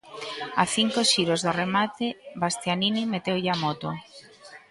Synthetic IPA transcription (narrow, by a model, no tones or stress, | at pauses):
aθiŋkoʃiɾozðoremat̪eβast̪janinimet̪ewʎamot̪o